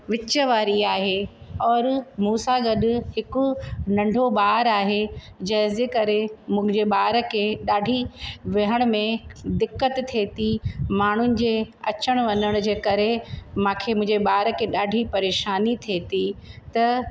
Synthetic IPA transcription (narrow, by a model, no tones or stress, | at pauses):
ʋɪt͡ɕəʋaːɾiaːɦeɔːɾmuːsaɡɐɗʊ̆hɪkʊnɐ̃ɳɖʱobaːɦɾaːɦed͡ʑɐɦɪeːkɐɾemʊ̃̆d͡ʑeɓaːɾə̆kʰeɗaːɖʱiʋɪɦəɽ̃mẽd̪ɪkːət̪t̪ʰːeːt̪imaːɳ̤ʊnɪ̆d͡ʑeːɐ̰t͡ɕəɽ̃ʋɐnəɽ̃d͡ʑeːkɐɾemãːkʰemʊ̃ɦɪ̃d͡ʑeɓaːɾəkʰeɗaːɖʱipɐɾeːʃaːnit̪ʰeːt̪it̪ɐ